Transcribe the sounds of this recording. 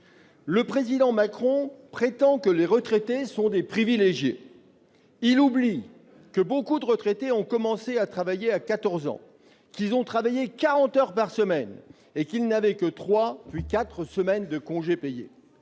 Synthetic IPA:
ləpχezid̪ɑ̃makχɔ̃pχet̪ɑ̃kəleʁət̪χet̪esɔ̃d̪epχivileʒjḛ | ilubli | kəbokud̪əʁət̪χet̪eɔ̃kɔmɑ̃seat̪χavajeakat̪ɔʁzɑ̰̃ | kʲilzɔ̃t̪χavajekaʁɑ̃t̪œʁpaʁsəmɛn | ekʲilnavɛkət̪χwapɥikat̪χəsəmɛnd̪əkɔ̃ʒepejḛ

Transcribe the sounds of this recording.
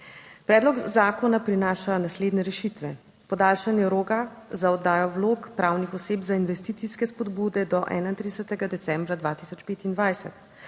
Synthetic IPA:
pɾɛːd̪lɔɡzaːkɔnapɾinaːʃanasleːd̪nɛɾɛʃit̪ʋɛ | pɔd̪aːlʃanjɛɾoːɡazaɔd̪ːaːjɔwloːkpɾaːwnixɔseːbzainʋɛst̪iːt̪siskɛspɔd̪buːd̪ɛd̪ɔʔɛ̰ːnajint̪ɾid̪ɛsɛt̪ɛɡad̪ɛt̪sɛmbɾad̪ʋaːt̪i̥sɔt͡ʃpeːt̪ind̪ʋajsɛ̰t̪

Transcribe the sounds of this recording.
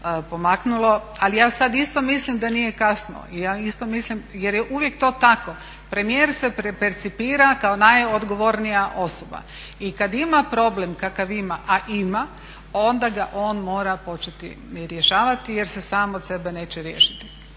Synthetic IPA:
po̞maknulˠo̞alijaːsad̪ist̪o̞mislimd̪anije̞kasno̰ijaist̪o̞mislimjeɾjeʔuʋje̞k̚t̪o̞ːt̪ako̞ | pɾe̞mijeːɾse̞pepeɾt̪sipiːɾakaonajod̪ɡo̞ʋo̞ɾnijaʔo̞soba̰ | ikad̪imapɾo̞blemkakaʋimaʔaʔima | o̞nd̪aɡa̰ʔo̞ːnmo̞ːɾapo̞t͡ʃet̪ḭ | ɾjeʃaːʋat̪ije̞ɾse̞saːmot̪se̞bene̞ːt͡ɕeɾjeːʃit̪i̥

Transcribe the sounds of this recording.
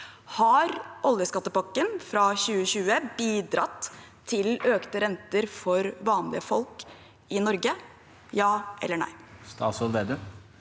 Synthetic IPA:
hɑɾʔɔljəskɑt̪ːəpɑkːənfɾɑçʉːəɕʉːəbiːd̪ɾɑt̪ʰː | ɪløːkt̪əɾɛnt̪əɾfɔɾʋɑːnlɪəfɔlk | ɪnɔɾɡə | jɑːʔɛ̰lːəɳæ̰ɪst̪ɑ̰ːsɔlʋeːd̪əm

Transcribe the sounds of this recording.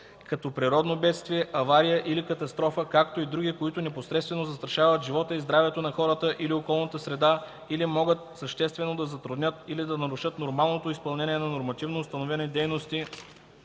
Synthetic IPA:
kɐt̪ɔpɾiɾɔd̪nobɛt̪st̪viɛʔɐvaɾijəʔilikɐt̪ɐst̪ɾɔfəkakt̪oid̪ɾuɡʲikoit̪ʊnɛposɾɛt̪st̪vɛnozɐst̪ɾɐʃavət̪ʒivɔt̪əizd̪ɾavɛt̪onɐxɔɾət̪əʔiliokɔlˠnət̪əsɾɛd̪a | ilimɔɡət̪̚səʃt̪ɛst̪vɛnod̪ɐzɐt̪ɾud̪nʲət̪ilid̪ɐnɐɾuʃɤt̪noɾmalˠnot̪oispɐlˠnɛnʲiɛnɐnoɾmɐt̪ivnoːst̪ɐnovɛnɛd̪ɛjnost̪i

